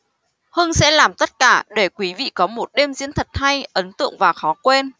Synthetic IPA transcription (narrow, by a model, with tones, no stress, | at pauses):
həː˧nsɛ̰˧˥laː˨˩mt̪ə˦˥t̚kaː˧˩ɗe˧˩kwi˨˦vḭ˧˨kɔ˨˦mo˨˩t̚ɗe˧mzḭ˧˥nt̪ʰə˨˩t̚ha˧jʔə˨˦nt̪ɨ̰˧˨əŋvaː˨˩xɔ˨˦kwe˧n